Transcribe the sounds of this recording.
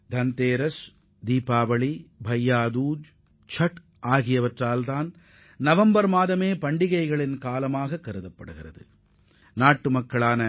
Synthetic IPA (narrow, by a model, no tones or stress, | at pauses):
d̪ʱɐnt̪eːɾɐs | d̪iːpaːbɐɭibʱɐjːaːd̪uːd͡ʒ | t͡ʃɐʈ | ʔaːɣɪjɐʋɐʈraːlt̪aːn | nɐʋɐmbɐɾmaːðɐmeːpɐɳɖɪɣɐɪɣɐɭɪnkaːlɐmaːɣɐkːɐɾɯðɐpːɐɽɯɣɪrɐ̰ðɯ̰ | naːʈːɯmɐkːɐɭaːnɐ